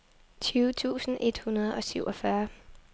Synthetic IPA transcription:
t͡sʰyːʊt͡sʰṵːsn̩ʔe̝d̥hunɐð̞̩ˠɒ̽syʊ̰ʔɒfɶɐ

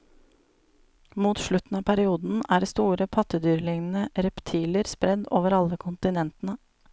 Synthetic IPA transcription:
muːt̪ʃlʉt̪n̩ɑːpʰæɾɪuːd̪n̩æːɖeːst̪uːɾəpʰɑt̪əd̪yːɾlɪŋn̩əɾɛpt̪ʰiːləɾspɾɛd̪oːʋəɾɑləkʰʊnt̪ɪnɛnt̪n̩ə

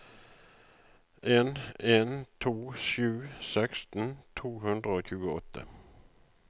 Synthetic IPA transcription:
ʔeːneːnt̪ʰuːʃʉːsɛkst̪n̩t̪ʰuːhʉnd̪ʁəoːçʉːɡəɔt̪ʰːə̰

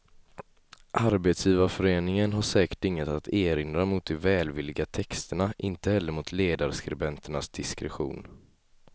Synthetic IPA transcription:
ʔaɾbeːt̪sjiːvafœɾeːnɪŋənɦaʂɛːkə̥ʈɪŋːət̪at̪ʰeːɾɪnd̪ɾamʊt̪̚d̪ɛvɛːlvɪlːɪɡat̪ʰɛkst̪əɳaʔɪnt̪əhɛlːəɾmʊt̪ʰleːd̪aɾskɾɪbɛnt̪əɳasd̪̥ɪskɾɛ̰ɧṵːn

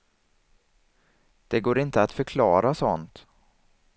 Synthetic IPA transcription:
d̪̥ɛɡoːɾɪnt̪əat̪fœɾkʰlɑːɾasɔnt̪

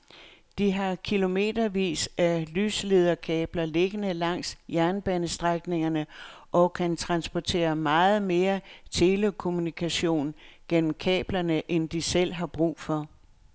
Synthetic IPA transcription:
d̥iɦɑ̈kʰilo̝me̝̰ːd̥ɐʋḭːsælyːsleð̞ˠɐkʰɛːb̥lɐle̝ɡ̥ənəlɑ̈ŋ̰sjæɐnb̥ɛnəsd̥ʁaɡ̥ne̝ŋɐnəʔɒ̽kʰænt͡sʰʁɑ̈nsb̥ɒt͡sʰe̝̰ːɐmɑ̈ːð̩ˠme̝ːɐt͡sʰe̝ːləkʰo̝munikʰæɕo̝̰ːnɡ̥en̰m̩kʰɛ̰ːb̥lɐnəʔend̥isel̰ɦɑ̈b̥ʁṵːfɒ̽

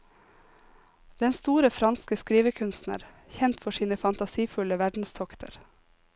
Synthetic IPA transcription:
d̪̥ɛnst̪uːɾəfɾɑnskəskɾiːʋəkʰʉnst̪nə̰ɾ | çɛnt̪fɔʃiːnəfɑnt̪ɑsiːfʉləʋæɖn̩st̪ʰɔkt̪ʰə̰ɾ

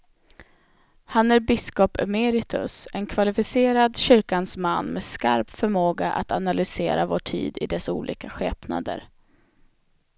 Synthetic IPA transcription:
hanæɾbɪskɔpœmeːɾɪt̪ʰɵ̰sɛnkʰvalɪfɪseːɾad̪ɕʏɾkansmanːmɛska̰ɾpfœɾmoːɡaʔa̰t̪analʏseːɾavoːʈʰḭːd̪ɪd̪ɛsṵːlʔḭːkaɧɛːpna̰d̪ə̰ɾ

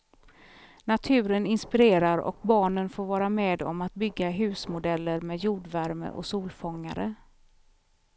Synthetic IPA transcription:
nat̪ʰʉ̟ːɾənɪnspɪɾeːɾaɾɔ̰k̚bɑːɳənfoːɾvɑːɾameːd̪ɔ̰mat̪̚bʏɡːaɦʉ̟ːsmʊd̪ɛlːəɾmeːd̪juːɖvæɾmə̰ʔɔ̰ksuːlfɔŋːa̰ɾə̰

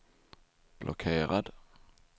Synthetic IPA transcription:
b̥lʔɔkʰeːʁad̪

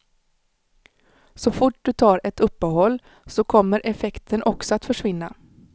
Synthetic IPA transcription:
sɔfʊʈ̚d̪ɵt̪ʰɑːɾɛt̪ɵpːəɦɔlː | sɔkʰɔmːəɾʔɛfɛkt̪ʰənʔɔksɔat̪fœʂvɪnːa̰

